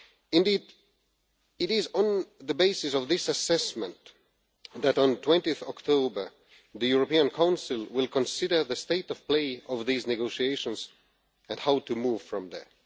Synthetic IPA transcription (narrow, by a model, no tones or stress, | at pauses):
ɨ̃ndiːd | ɨɾɪzn̩ðəbeɪsɨsʌvðɪsɨsɛsmə̃nt | ðæɾn̩tʰw̥ɛ̃ntiɨθɔktʰoʊbə˞ | ðɨjuɹopiə̃nkʰãʊ̃nsɨlˠwɪlˠkʰə̃nsɪɾə˞ðɨsteɪɾʌv̥pleɪʌvðiznɨɡoʊʃieɪʃə̃nz | ɨ̃nhaʊtɨmuv̥fɹʌ̃mðə̰˞